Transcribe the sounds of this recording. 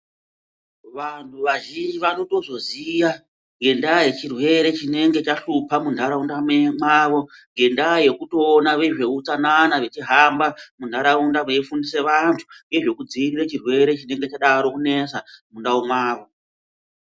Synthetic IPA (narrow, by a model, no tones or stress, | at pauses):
ʋantʰuʋaʒind͡ʒiʋano̞to̞zo̞zija | ŋɡe̞ndaːje̞t͡ʃirwe̞ɾe̞t͡ʃine̞ŋɡe̞t͡ʃaɬupʰamundʱaɾaundamemwaːʋo̞ŋɡe̞ndaje̞kuto̞ːnaʋe̞ʐe̞ut͡sananaʋe̞t͡ʃiɦambamund̤aɾaundaʋeifundise̞ʋantʰu̥ŋɡe̞ʐe̞kud͡ziirirat͡ʃirwe̞ɾe̞t͡ʃine̞ŋɡe̞t͡ʃaɗaɾo̞kune̞samundaomwaːʋo̞